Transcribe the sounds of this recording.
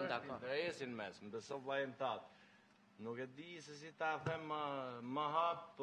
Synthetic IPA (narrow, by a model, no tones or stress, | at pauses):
d̪akd̪ɛsinmɛsmbɛsɔvlˠajɛnt̪at̪ | nukɛd̪is̬ɛs̬it̪aθɛməːaɦapp